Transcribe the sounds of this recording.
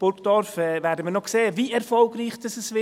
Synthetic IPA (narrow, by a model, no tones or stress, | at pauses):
b̥ʊɾkd̥ɔɾfɛːvɛːɾdəmiːnɔkseːəviɛɾfɔlɡriːçd̥ɑsɛsvɪ